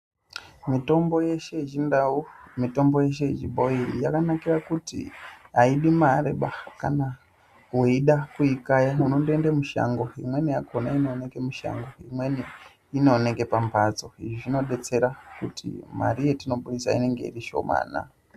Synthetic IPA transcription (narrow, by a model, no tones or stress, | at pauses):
mito̞mbo̞jeʃeʒindaumito̞mbo̞je̞ʃe̞iʐḭɓo̞irijakanakirakutḭaiɗimaɾḛɓakana | weiɗakuikajauno̞ndoendemuʃa̰ŋɡo̞imwe̞nijakʰonainone̞ke̞muʃa̰ŋɡo̞imwe̞niː | no̞neke̞pampad͡zo̞iʐiʐino̞ɗe̞t͡se̞ɾakutʰḭma̰ɾije̞tino̞ɓuɗisa̰ḭne̞ŋɡe̞̰iriʃo̞̰ma̰ːna̰